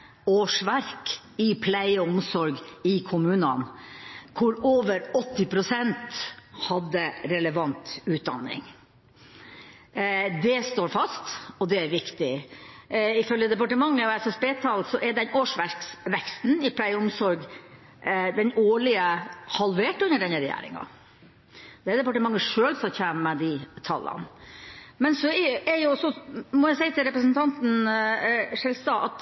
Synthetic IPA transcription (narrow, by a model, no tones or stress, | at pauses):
oːʂʋæɾk | ɪpʰlæɪəɔmsɔɾɡɪkʰʊmʉːnənkʰʊɾoːʋəɾɔt̪ːɪpʰɾʊsɛnt̪hɑd̪ːəɾɛləʋɑnt̪ʉːt̪̚d̪ɑ̰nːɪ̰ŋ | d̪ɛst̪oːɾfɑst̪ɔd̪ɛæɾʋɪkt̪ɪ | ɪfœljəd̪ɛpɑʈəmɑŋːəɔæsɔspeːt̪ʰɑlsɔʔɛɖɛnoːʂʋæɾksʋɛkst̪n̩ɪpʰlæɪʊmsɔɾɡ | d̪ɛnoːɭɪəhɑlʋeːʈʉnːəɖɛnəɾɛjæ̰ːɾɪ̰ŋɑ̰ | d̪̥ɛæd̪ɛpɑʈəmɑŋːəʂøːlsɔçæːnəmɛd̪ɪt̪ʰɑlːɑ̰n | mɛnsɔɛɛɾjʊɔsɔmɔjæɪsæɪt̪ʰɪlɾɛpɾəsənt̪ʰɑnt̪n̩ | ʂɛlst̪ɑʔɑt̪